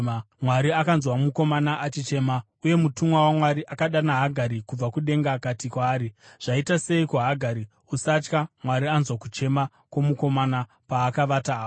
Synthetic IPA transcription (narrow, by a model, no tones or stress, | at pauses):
mwaɾiakanzwamuko̞manaʔat͡ʃit͡ʃe̞ːma | uje̞mutumwawamwaɾiʔakaɗanaɦaɡʱaɾikub͡vakuɗe̞ŋɡaːkatikwaːɾiʐ̥aitase̞ikuɦaɡʱaɾi | usat͡ʃkamwaɾianzwakut͡ʃe̞ma | kwomuko̞mana | paːkaʋataː